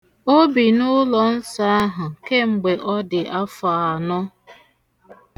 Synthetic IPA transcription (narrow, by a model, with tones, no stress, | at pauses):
o˦bi˨nʊ˦lɔ˨n̩˦sa˦a˦ɦʊ˨ke˦ŋ͡m̩˨ɡ͡be˨ʔɔ˦dɪ˨ʔa˦fa˨a˨nɔ˦